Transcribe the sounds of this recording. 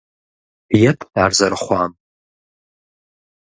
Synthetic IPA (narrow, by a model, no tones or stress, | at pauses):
jatʰʼdarzarχʷam